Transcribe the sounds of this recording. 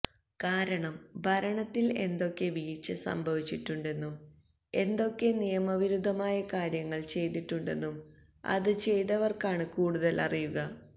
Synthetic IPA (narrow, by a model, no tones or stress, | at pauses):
kaːɾɐɳɐmbʱɐɾɐɳɐt̪ːile̞nd̪o̞kːe̞ʋiːt͡ɕːɨsɐ̰mbʱɐʋit͡ɕːiʈːuɳɖe̞nːum | e̞nd̪o̞kːe̞nijɐmɐʋiɾud̪ʱːɐmaːjɐkaːɾjɐŋːɐɭt͡ɕe̞jt̪iʈːuɳɖe̞nːum | ɐ̰ðɨt͡ɕe̞jt̪ɐʋɐrkaːɳɨkuːɽuðɐlɐrijuɣɐ